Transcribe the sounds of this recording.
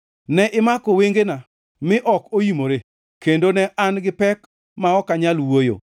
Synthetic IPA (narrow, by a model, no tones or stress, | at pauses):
nɛʔɪmakoweŋɡena | mɪʔɔkojimoɾe | kendonɛʔanɡɪpɛk | maɔkaɲalwojo̰